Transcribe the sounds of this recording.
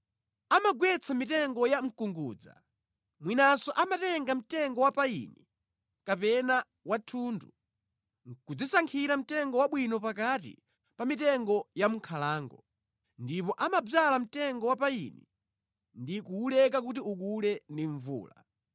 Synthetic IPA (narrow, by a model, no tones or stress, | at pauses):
amaɡwɛt͡sʰamitɛŋɡɔjaŋ̩kuŋɡuːd͡za̰ | mwinasɔʔamatɛŋɡam̩tɛŋɡɔwapaḭni | kapɛna | watʰuːndu | ŋkud͡zisaŋkʰiɾam̩tɛŋɡɔwaɓwinɔpakatḭ | pamitɛŋɡɔjamukʰalaːŋɡɔ | ndipɔʔamab͡valam̩tɛŋɡɔwapaḭnḭ | ndikuulɛk̬ak̬utiuk̬ulɛndiɱvṵːla